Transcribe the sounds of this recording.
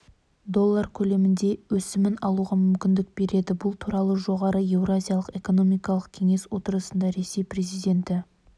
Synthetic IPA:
d̪o̞lˠːaɾkʲʰɵle̞mɪnd̪e̞wɵsɪmɪnɑlˠuʁɑmʏmkʲɪnd̪ɪk̚be̞ɾʔe̞d̪ɪbʊlˠt̪ʰuɾɑlˠəʒo̞ʁɑɾəe̞vrazʲijalˠəqe̞ko̞no̞mijkɑlˠəq̚kʲʰe̞ŋe̞swo̞t̪əɾəsənd̪ɑɾe̞se̞jpre̞zijd̪e̞nt̪ɪ

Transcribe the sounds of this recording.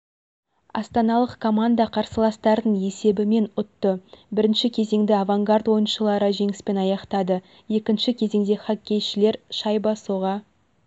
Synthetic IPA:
ɑ̰st̪ɑnɑlˠəqkʰo̞mand̪ɑqʰɑɾsəlˠɑst̪ɑɾd̪əɴe̞se̞bɪme̞nʊt̪ːəbɪɾɪnʃɪkʲʰe̞ze̞ŋd̪ɪavaŋɡaɾt̪wo̞jənʃəlˠɑɾəʒe̞ŋɪspe̞nɑjɑqt̪ɑd̪ə | je̞kʲɪnʃɪkʲʰe̞ze̞ŋd̪e̞χakʲːe̞jʃɪle̞ɾʃɑjbɑsoʁɑ

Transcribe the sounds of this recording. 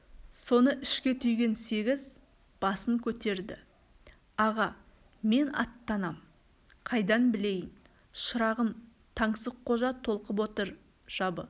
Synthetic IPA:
so̞nəʔɪʃkʲe̞t̪ʰʏjɡʲe̞nse̞ɡʲɪz | b̥ɑsəŋkʲʰɵt̪e̞ɾd̪ɪ̰ | ɑʁɑ | me̞nɑ̰t̪ːɑnɑm | qʰɑjd̪ɑnbɪle̞jɪn | ʃəɾɑʁəm | t̪ʰɑɴsəqʰːo̞ʒɑt̪ʰo̞lˠqəp̬wo̞t̪əɾ | ʒ̥ɑbə̰

